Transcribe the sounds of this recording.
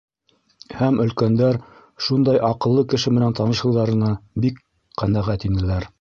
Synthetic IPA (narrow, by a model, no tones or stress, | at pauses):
hæmɵ̆lkænd̪æɾ | ʃund̪ɑjʔɑqɤ̆lˠːɤkɘ̆ʃɘmɘ̆nænt̪ɑnɤ̆ʃɤ̆wðɑɾɤ̆nɑbik | qænæʁæt̪inɘ̆læɾ